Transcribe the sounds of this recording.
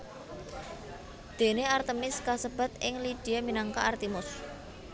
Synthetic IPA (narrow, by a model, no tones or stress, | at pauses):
d̪̥e̤neart̪əmɪskasəb̥a̤t̪̚ɪŋlid̪̥iaminaŋkaʔːrt̪imʊs